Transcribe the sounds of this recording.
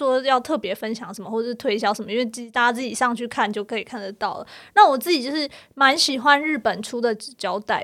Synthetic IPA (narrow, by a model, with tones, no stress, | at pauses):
wɔ˥jɑ˥˧ʊt̪ʰɤ˥˩pjɛ˧˥fə˥nɕjɑ˨˧˦ŋʂə˧˥nmə˦xwɔ˥˩ə˩ʂɻ̩˥˧t̪ʰwe˥ɪɕ̬jɑ˥ʊʂə˧˦mə˦i˥nwe˥˧ɪt͡ɕi˨˩t̪a˥˩t͡ɕja˥t͡sɹ̩˥˩t͡ɕi˨˩ʂɑ˥˧ŋt͡ɕʰy˥˧kʰa˥˩nt͡ɕjo˥˩ʊkʰɤ˧˥i˨˩kʰa˥˩nd̪ə˩t̪ɑ˥˩ʊlə̰˩na˥˩wɔ˨˩t͡sɹ̩˥˩t͡ɕi˨˩t͡ɕjo˥˧ʊʂɻ̩˥˩ma˧˥nɕi˨˩xwa˦nɻ̩˥˩pə˨˩nʈ͡ʂʰu˥d̪ə˨t͡ɕjɑ˧˥ʊt̪a˥˩ɪ